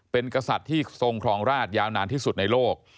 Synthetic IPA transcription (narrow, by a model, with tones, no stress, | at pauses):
pe˧nkɾa˧sa˨˩t̪ʰːiː˥˩so˧ŋkʰɾɔː˩˦ŋɾaː˥˩t̪̚jaː˧wnaː˧nt̪ʰiː˥˩su˨˩t̪̚na˧jloː˥˩k̚